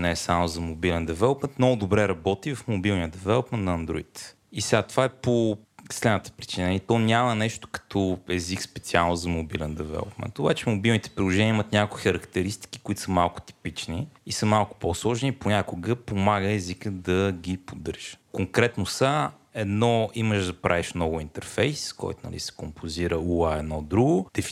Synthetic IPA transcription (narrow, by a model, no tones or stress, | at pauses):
nɛɛsamozɐmobilɛnd̪ɛvɛlˠopmɛnt̪mnɔɡʊd̪obɾɛɾɐbɔt̪ivɐfmobilˠniəd̪ɛvɛlˠopmɛnt̪nɐːnd̪ɾo̰ḭt̪ | isɛɡat̪ovaɛposlɛd̪nət̪ə̥pɾit͡ʃinit̪ɔnʲamɐnɛʃt̪ʊ̥kɐ̥t̪ʰɔɛzikspɛt̪sialˠnʊzɐmobilɛnd̪ɛvɛ̰lˠo̰pmɛ̰nt̪obat͡ʃɛmobilˠnit̪ɛ̥pɾilˠoʒɛnʲiəimət̪nʲjakkʊixəɾɐkt̪ɛɾist̪i̥k̟i̥koʊit̪ʊ̥səmalˠkʊ̥t̪i̥pit͡ʃniisəmalˠkʊ̥poslˠɔʒniponʲakoɡəpomaɡəɛzikəd̪ɐɡipod̪ɤɾʒiʒ̥ə̥koŋkɾɛt̪nosa | ɛd̪nɔiməʒd̪ɐpɾaviʃnɔvʊint̪ɛɾfɛjskɔ̰jt̪ʊnɐ̰lḭsɛ̥kompʰoziɾəuaɛd̪nɔd̪ɾuɡod̪ɛf